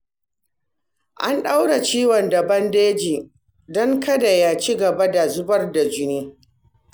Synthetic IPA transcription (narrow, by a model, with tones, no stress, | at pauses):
ʔa˦nɗa˦wɽa˨t͡ʃiː˦wɔ˨ndɐ˨bɐ˦ndeː˦d͡ʒiː˨ | dɔ˦ŋkɐ˦da˨ja˦t͡ʃi˦ɡɐ˨ba˦da˨zʊ˦bɐ˦rda˨d͡ʒɪ˦neː˦